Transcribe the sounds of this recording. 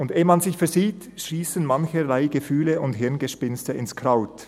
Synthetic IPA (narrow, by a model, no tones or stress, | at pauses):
ʊndeːmɑnzɪçfɛɐziːt | ʃiːsənmançəlaɪɡəfyːləʊntɦɪʁnɡəʃpɪnstəɪnskʁ̥aʊt